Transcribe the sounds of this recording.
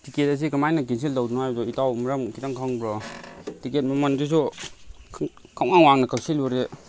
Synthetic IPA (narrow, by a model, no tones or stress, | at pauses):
tiket̚ɐs̬ikɐmajnɐk̬ins̬iltawdnuɦajbzɔitawmɐɾɐmkitaŋkʰaŋbɾɔtiket̚mɐmɐndis̬u | kʰawŋaŋwaŋnɐkak̚silɔɾe